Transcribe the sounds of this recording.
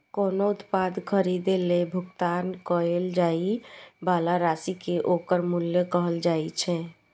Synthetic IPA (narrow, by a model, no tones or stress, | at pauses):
konout̪pad̪kʰəɾid̪elebʱukt̪ankəeld͡ʒaibalaɾasikeʔokəɾmuljəkəɦəld͡ʒait͡ʃʰɛ̃